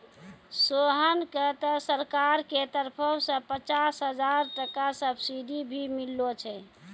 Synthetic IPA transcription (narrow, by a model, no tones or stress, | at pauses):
soɦənkət̪ɔsəɾkaɾket̪əɾpʰəsə̃pət͡ʃasɦəd͡ʒaɾʈəkasəbsid̪ibʱimilːot͡ʃʰɛ